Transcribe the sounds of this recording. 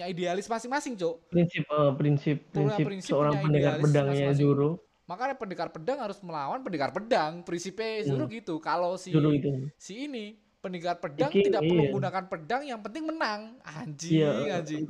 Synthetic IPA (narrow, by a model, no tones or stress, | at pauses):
ɲaidealɪsmasɪŋmasɪŋt͡ʃopɾinsɪp̚əpɾɪnsɪpːɾinsɪɾinsəoɾaŋpəndekarpədaŋɲad͡ʒuɾu | makaɲapəndekarpədaŋhaɾʊsməlawanpəndekarpədaŋpɾinsiped͡ʒuɾuɡit̪ukalosid͡ʒuɾuɡit̪usiːni | pəndikarpədaŋk̪idaʔəɡunakanpədaŋjaŋpənt̪ɪŋmənaŋad͡ʒijaai